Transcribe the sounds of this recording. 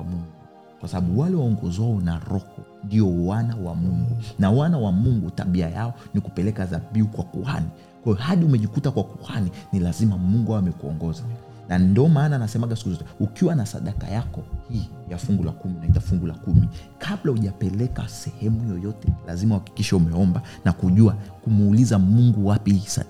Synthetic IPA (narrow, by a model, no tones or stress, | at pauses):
amuŋɡu | kwasaɓaɓuwalɛwaɔŋɡɔzwaɔnaɾɔkɔndiɔwanawamuŋɡunawanawamuŋɡuta̰ɓiajaɔnikupɛlɛkazaɓiukwakuha̰ni | kwajɔhaɗiumɛʄikutakwakuhaninilazimamuŋɡuaamɛkuɔ̰ŋɡɔza | nandiɔmaːnanasɛmaɠasi̥kuzɔtɛukiwanasa̰ɗaka̰jakɔhiːjafuŋɡula̰kuminaitafuŋɡulakumikʰaɓlauʄapɛlɛka̰sɛhɛmujɔjɔtɛla̰zimauhaki̥kiʃaumɛɔmbanakuʄuakumːlizamuŋɡuwapiisa̰